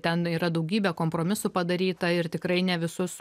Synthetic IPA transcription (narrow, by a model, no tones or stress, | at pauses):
t̪ʲɛniːɾɐd̪ɐʊɡʲiːbʲɛkoːmpɾoːmʲɪsʊpɐd̪ɐɾʲiːt̪ɐɪɾt̪ʲɪkɾɐɪnʲɛʋʲɪsʊs